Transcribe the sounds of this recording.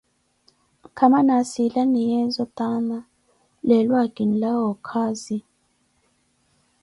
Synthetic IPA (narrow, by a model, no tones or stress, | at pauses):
kʰamanasilanijɛzɔt̪ana | lɛlwaɡ̥inlawɔkʰaːzi